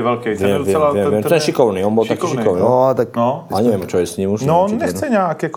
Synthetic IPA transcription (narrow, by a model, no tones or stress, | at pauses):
ʋɛlkɛʋɪɛmɪɛmvjɛmvɪɛmt̪ɛnʃikɔʊniːɔnbɔlt̪akiːʃikɔʊniɔt̪akaɲɛʋɪɛmt͡ʃɔjɛsɲiːmuʃɔɔnɲɛxt͡sɛɲaakɛk